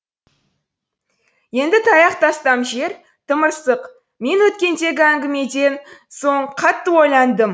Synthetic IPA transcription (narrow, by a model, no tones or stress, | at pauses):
je̞nd̪ɪt̪ʰɑjɑqt̪ɑst̪ɑmʒe̞ɾ | t̪ʰəməɾsəq | me̞nwɵt̪kʲe̞nd̪e̞ɡʲɪæŋɡʲɪme̞d̪e̞nso̞ɴqʰɑt̪ːəwo̞jlˠɑnd̪əm